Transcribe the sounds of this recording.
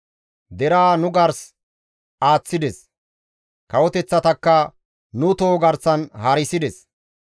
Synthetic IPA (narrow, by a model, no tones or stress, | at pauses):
d̪ɛɾaːnʊɡɐɾs | aːt͡sːɪd̪ɛs | kɐwɔt̪ɛt͡sːɐt̪ɐkːɐ | nʊt̪oːɡɐɾsɐnhɐɾɪsɪd̪ɛs